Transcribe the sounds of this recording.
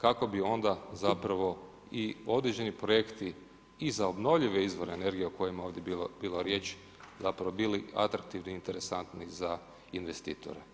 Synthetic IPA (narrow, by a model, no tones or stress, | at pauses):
kako̞bio̞nd̪azapɾaʋo̞ | io̞d̪ɾed͡ʑe̞nipɾoje̞kt̪i | izaobno̞ʋʎiʋeizʋo̞ɾeːne̞ɾɡijeoko̞jimao̞ːʋd̪jebilobilo̞ɾje̞ːt͡ʃ | zapɾaʋo̞bilia̰t̪ɾak̚t̪iʋniint̪e̞ɾesant̪niza | inʋe̞st̪ḭːt̪o̰ɾḛ